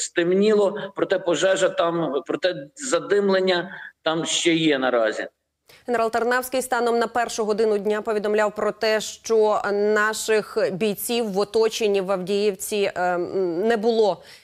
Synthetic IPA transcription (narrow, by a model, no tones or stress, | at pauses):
st̪ɪmnʲilˠɔpɾɔt̪ɛpɔʒɛʒɐt̪ɑmpɾɔt̪ɛzɐd̪ɪmlˠenʲːɐt̪ɑmʃt͡ʃɛjɛnɐɾɑzʲḭ | ɦenɾɑlˠt̪ɐrnɑwsʲkɪjst̪ɑnɔmnɐpɛrʃʊɦɔd̪ɪnʊdʲnʲapɔʋʲid̪ɔmlʲawpɾɔt̪ɛʃt͡ʃɔnɑʃɪxbʲijt͡sʲiwːɔt̪ɔt͡ʃenʲiʋɐwdʲijiwt͡sʲi | nɛbʊlˠɔ